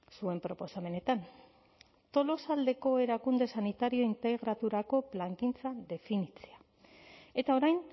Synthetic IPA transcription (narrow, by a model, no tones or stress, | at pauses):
sue̞mpɾo̞po̞same̞ne̞t̪an | t̪o̞lo̞sald̪e̞ko̞e̞ɾakund̪e̞sanit̪aɾio̞int̪e̞ɣɾat̪uɾako̞plaŋkint͡sad̪e̞finit͡sea | e̞t̪ao̞ɾajn